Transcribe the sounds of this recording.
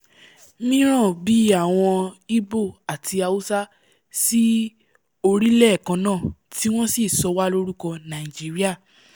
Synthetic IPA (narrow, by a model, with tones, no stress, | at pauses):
mĩ˦ɾ̃ã˦˨bi˨˦a˦˨w̃ɔ̃˧i˦bo˦˨a˨tʰi˧a˧u˦sa˦ | si˦ | o˧ɾi˦lɛ˦˨kã˧˦nãː˦˨ti˦w̃ɔ̃˦si˦˨sɔ˨˧wa˦lo˦ɾu˦kɔ˧nã˨i˨d͡ʒi˨˦ɾi˦a˦˨